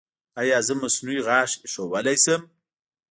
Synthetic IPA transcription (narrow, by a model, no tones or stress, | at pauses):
ajɑːzəmasnuiɣɑːʃʃowəlajsəm